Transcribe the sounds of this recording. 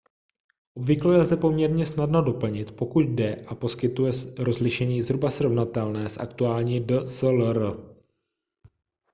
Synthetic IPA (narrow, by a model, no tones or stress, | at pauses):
ʔobvɪklojɛzdɛpo̞mɲɛɾɲɛsnadnado̞pl̩ɲɪt̪po̞kuɟ̪̚dɛʔapo̞skɪt̪ujɛɾo̞zlɪʃɛɲiːzɦɾubasɾo̞vnat̪ɛlnɛːsʔa̰kt̪uaːlɲiːdəsɛlɾ